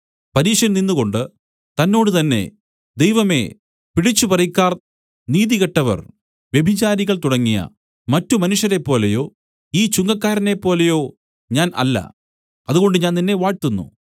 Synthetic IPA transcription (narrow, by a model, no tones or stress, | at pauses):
pɐɾiːʂɐɾninːuɣo̞ɳɖɨ | t̪ɐnːo̞ːɽɨt̪ɐnːe̞̰ | d̪e̞jʋɐme̞̰ | piɽit͡ɕːupɐrɐjkːaːr | niːðiɣɐʈːɐʋɐ̰r | ʋje̞bʱit͡ɕaːɾiɣɐɭt̪uɽɐŋːijɐ̰ | mɐtːumɐnuʂjɐɾe̞pːo̞ːle̞jo̞ː | iːt͡ɕuŋɡɐkːaːɾɐne̞pːo̞ːlejo̞ː | ɲaːnɐ̰lːɐ̰ | ɐðuɣo̞ɳɖɨɲaːnninːe̞ʋaːɻt̪ːunːṵ